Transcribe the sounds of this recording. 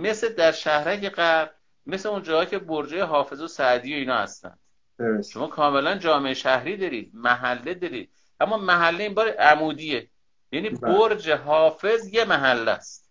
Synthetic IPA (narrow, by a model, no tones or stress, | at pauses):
me̞sed̪æɾʃæhɾæcʰeɢæɾɾ | me̞seund͡ʒɒːɡɒːcʰe̞boɾd͡ʒejeɦɒːfe̞zosæʔd̪iːjoiːnɒːhæ̰st̪æ̰nd̪̥ | ʃo̞mɒːkʰɒːmelænd͡ʒɒːme̞eʃæhɾiːd̪ɒːɾiːd̪̚mæɦælːed̪ɒːɾiːd̪̚ | ʔæmːɒːmæɦælːeiːnbɒːɾeʔæmuːd̪ije | jæːniːboɾd͡ʒeɦɒːfe̞zje̞mæɦælːæ̰st̪